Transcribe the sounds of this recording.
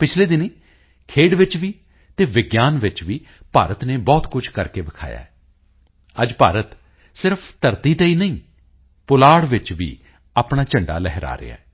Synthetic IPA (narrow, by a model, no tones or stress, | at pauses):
pɪt͡ʃʰleːd̪ɪneː | kʰeːɽʋɪt͡ʃʋiː | t̪eːʋɪɡjaːnʋɪt͡ʃʋiː | paːɾət̪neːbɔːt̪kʊt͡ʃʰkəɾkeːbɪkʰa̰ːja̰ːɛː | əd͡ʒpaːɾət̪ | sɪɾpʰt̪əɾt̪iːt̪eːiːnəĩː | pʊlaːɽʋɪt͡ʃʋḭː | aːpɳaːt͡ʃəɳɖa̰ːlɛːɦɾa̰ːɾɪ̰a̰ːɛː